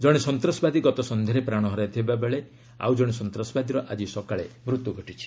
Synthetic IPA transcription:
d͡ʒɔɽ̃isɔnt̪ɾɔsbad̪iɡɔt̪ɔsɔnd̪ʱeɾepɾaɽ̃ɔɦɔɾat̪ʰibabeɭe | a̰wd͡ʒɔɽ̃isɔnt̪ɾɔsɔbad̪iɾɔʔad͡ʒisɔkaɭemɾut̪juɡʱɔʈit͡ʃʰi̥

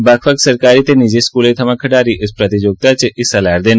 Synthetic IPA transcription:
bakʰʋəksəɾkaɾit̪enid͡ʒeskulet̪ʰəmãkʰəɖaɾiʔəspɾət̪id͡ʒoɡ̚t̪at͡ʃʰeʔisalaɾd̪en

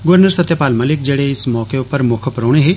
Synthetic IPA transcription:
ɡʊʋəɾnəɾsət̪ːjepaːlməlɪk̚d͡ʒeːɽeɪsmɔːkeʊpəɾmʊkʰəpɾoːɽ̃eɦeː

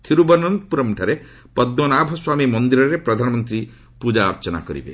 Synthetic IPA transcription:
t̪ʰiɾubɔnɔnt̪puɾɔmʈʰaɾe | pɔd̪nɔnabʱɔswamimɔnd̪iɾɔɾepɾɔd̪ʱanɔmɔnt̪ɾi | pud͡ʒaɾt͡ʃɔna̰kɔɾḭbḛ

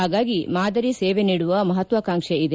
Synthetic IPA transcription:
aːɡaːɡimaːd̪ɐɾiseːʋeniːɽuʋɐmɐɦɐt̪ʋɐkaːŋʂeid̪e

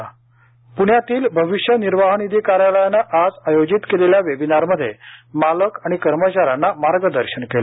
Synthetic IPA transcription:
puɳ̤jat̪iːlbʱəʋiɕjəniɾʋaɦənid̪ʱikaɾjaləjanaʔad͡zajod͡ʑit̪keleljaʋebinaɾməd̪ʱːjemaləkaɽ̃ikəɾmət͡ɕaɾanːamaɾɡəd̪əɾɕənkela

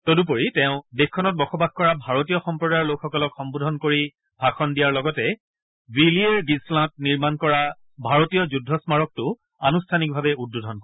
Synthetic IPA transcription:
todup̬oɹitɛʊ̃dexkʰːɔnɔt̚bɔxɔbaɡkɔɹabʱaɹotijɔxɔmpɹɔdajɹlokxɔkɔlɔkxɔmbodʱɔnkoɹi | bʱaxɔndijaɹlɔɡɔtɛ | wilieɹɡislãt̚niɹmankɔɹa | bʱaɹotijɔzudʱːɔsmaɹɔk̚tʊ | anustʰanik̚bʱabɛud̚ːudʱɔnkɔɹ

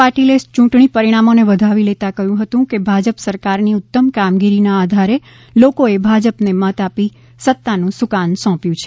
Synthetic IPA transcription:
paʈilest͡ʃũʈɳipəɾiɽ̃amoneʋəd̪ʱaʋilet̪akəɦjũɦət̪ũkebʱad͡ʒəpsəɾkaɾniʊt̪ːəmkamɡiɾinaːd̪ʱaɾe | lokoebʱad͡ʒəpnemət̪api | sət̪ːanũsukansɔ̃pjũt͡ʃʰe̥

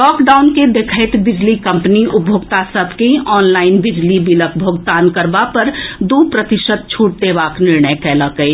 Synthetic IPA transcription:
lɔːkɖaːʊnked̪ekʰəɪt̪bɪd͡ʒlikə̃mpəniʊbʱjoːɡt̪asəbʱkeĩʔɔːnlaːɪnbɪd͡ʒlibilək̚bʱoːɡt̪aːnkəɾbapəɾd̪upɾət̪ɪʃəd̪̚t͡ʃʰuːʈ̚d̪ebaːknɪɾɳəjkɛːləkəi

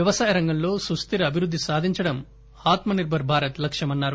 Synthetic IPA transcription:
ʋjɐʋɐsaːjɐɾɐŋɡɐmlo̞ːsɾust̪iɾɐɐbʱiɾud̪ːisaːd̪ʱiɲt͡ʃɐɽɐm | aːt̪mɐniɾbʱɐɾbʱaːɾɐt̪lɐkʂjɐmɐnːaːɾu

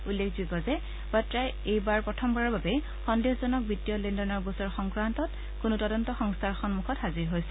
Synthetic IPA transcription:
ulːekʰzikɔzɛ | batɹaj | ejbaɹpɹɔtʰɔmbaɹɔbabɛ | xɔndexzɔnɔk̚bitːijɔlindɔnɔɹbɔsɔɹxɔŋkɹantɔt | kʊnutɔdɔntɔxɔŋstʰaɹxɔnmuxɔthaziɹɦojsɛ̥

